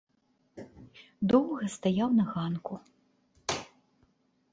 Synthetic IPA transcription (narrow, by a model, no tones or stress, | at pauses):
d̪ɔwɣɐst̪ajawnɐɣanku